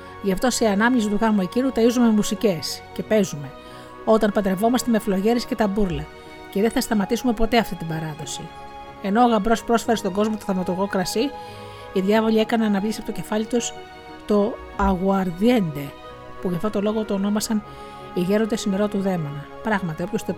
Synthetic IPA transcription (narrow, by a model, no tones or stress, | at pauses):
ʝɐft̪o̞seɐnɐmiɲizluɣɐmuecinut̪ɐizumemusice̞sce̞pe̞zume̞ | o̞t̪ɐnpɐnd̪ɾe̞vo̞mɐst̪e̞me̞flo̞ʝe̞ɾisce̞t̪ɐbuɾlɐ | ce̞ðe̞nθɐst̪ɐmɐt̪isume̞po̞t̪e̞ɐft̪it̪ibɐɾɐðo̞si | e̞no̞ːɣɐmbɾo̞spɾo̞sfe̞ɾest̪o̞ŋɡo̞zmot̪oθɐmɐt̪oɣo̞kɾɐsi | iðʝɐvoʎie̞kɐneɐnɐvʎisiɐpot̪oce̞fɐlit̪us | t̪o̞ | ɐɣuɐɾðie̞nd̪e̞ | puʝɐft̪o̞t̪o̞lo̞ɣot̪oːno̞mɐsɐn | iʝe̞ɾo̞nd̪esineɾot̪uðe̞monɐ | pɾɐɣmɐt̪io̞pço̞st̪o